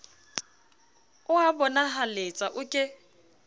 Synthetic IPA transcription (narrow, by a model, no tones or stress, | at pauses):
ʊabɔnaɦalet͡sʼaʔʊkʼɪ